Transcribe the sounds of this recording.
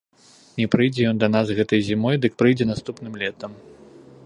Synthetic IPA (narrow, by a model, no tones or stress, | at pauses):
nʲɛpɾɨjd͡zʲɛjɔnd̪ɐnazɣɛt̪ɐjzʲimɔjd̪ɨk̚pɾɨjd͡zʲɛnast̪upnɨmlʲɛt̪ɐm